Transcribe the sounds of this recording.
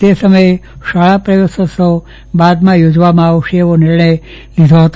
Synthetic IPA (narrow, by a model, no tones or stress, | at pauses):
t̪esəməj | ʃaɭapɾəjosəso | bad̪mãjod͡ʒʋamãaʋʃeːʋonɪɾɳəj | lid̪ʱoɦət̪